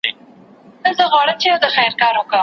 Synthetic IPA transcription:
nəzəɣwɑɽəmt͡ʃejawd̪əxajɾkɑːɾʊkə

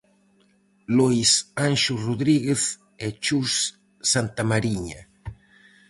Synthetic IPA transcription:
lojsanʃʊroðɾiɣeθ | ɛt͡ʃusː | ant̪amaɾiɲa

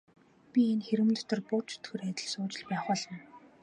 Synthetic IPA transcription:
pʲienxeɾɘ̆mnɔ̆t̪ɞ̆rpʊːt͡ɕʰɵ̥t̪xɵ̆ræt̪ʲɪ̆ɮsʊːt͡ɕɪ̆ɮpæːχʊːɮə̆n

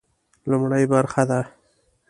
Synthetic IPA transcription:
lʊmɽajbaɾxad̪a

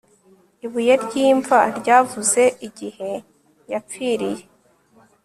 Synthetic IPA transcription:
iβujeɾɟiːɱvaɾɟaːvuze̞ʔiɟihe̞ | jap͡fiːɾije̞

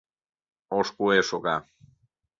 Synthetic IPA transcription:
oʃkueʃoka

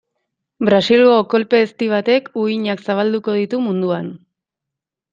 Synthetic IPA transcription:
bɾasiloko̞lpe̞ːst̪iβ̞at̪e̞kuiɲaksaβald̪uko̞ðit̪umund̪uan

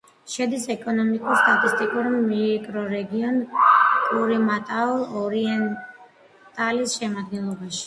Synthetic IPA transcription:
ʃɛd̪isɛkʼɔnɔmikʼuɾst̪ʼat̪ʼist̪ʼikʼuɾmikʼɾɔɾɛɡiɔnkʼuɾimat̪ʼalˠɔɾiɛn | t̪ʼalisʃɛmad̪̚ɡɛnlˠɔbaʃi̥

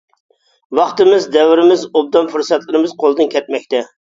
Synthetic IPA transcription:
wɑχt̪ɨmɪzd̪ɛwɪɾɪmɪzob̚d̪ɑnfuɾsɑt̪lˠɨɾɨmɨzqʰolˠɨd̪ɨnkʲʰɛt̪̚mɛk̚ʲt̪ʰɛ

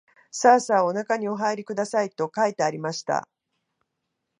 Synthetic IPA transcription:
saːsaːo̞nakaɲ̟io̞ɦaeɾʲikɯ̟d̪asait̪o̞kait̪e̞aɾʲimaɕi̥t̪a̰

